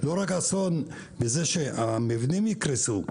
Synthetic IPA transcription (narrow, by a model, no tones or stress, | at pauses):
loʁakason | bezeʃeamevnimjikɾesu